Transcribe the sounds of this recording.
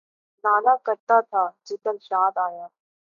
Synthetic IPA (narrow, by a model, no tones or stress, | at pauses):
naːnaːkəɾt̪at̪ʰaːd͡ʒɪt̪əlʃaːd̪aːjaː